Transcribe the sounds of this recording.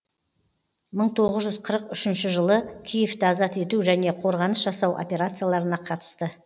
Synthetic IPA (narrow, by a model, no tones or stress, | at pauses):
məɴt̪ʰo̞ʁəzʒʏzqʰəɾəqʏʃɪnʃɪʒəlˠəkʲʰijeft̪ɪɑzɑt̪e̞t̪uʒæne̞qʰo̞ɾʁɑnəsʒɑsɑwʔo̞̰pʲe̞ɾat̪sɨjalˠɑɾənɑqʰɑt̪ə̥st̪ə